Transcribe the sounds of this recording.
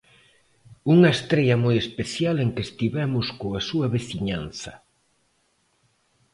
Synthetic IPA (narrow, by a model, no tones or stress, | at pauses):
uŋɐest̪ɾɛʎɐmojespeθjaleŋkest̪iβɛmʊskoasuɐβeθiɲanθɐ